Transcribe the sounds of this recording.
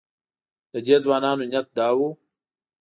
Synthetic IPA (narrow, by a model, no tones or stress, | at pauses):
t̪ɐd͡ʑeːzwaːnaːnuɲɐt̪̚d̪aːwuː